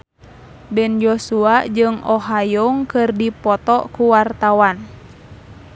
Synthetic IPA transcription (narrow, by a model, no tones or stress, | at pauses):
bɛnjosuaʔd͡ʒɨŋɔɦajɔŋkɨrdipɔt̪ɔkuwart̪awan